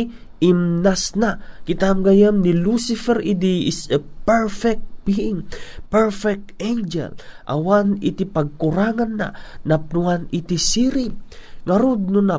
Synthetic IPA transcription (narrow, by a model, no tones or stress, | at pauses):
ʔimnasnakɪt̪amɡajannilusifɛɾid̪iɪsəpɛɹfɛk̚t̪̚biɪŋpɛɹfɛk̚t̪end͡ʒɛ̰lʔa̰wanit̪ipɐɡ̚kuɾaŋanːa̰nap̚nuanit̪isiɾiŋaɾod̪̚nʊna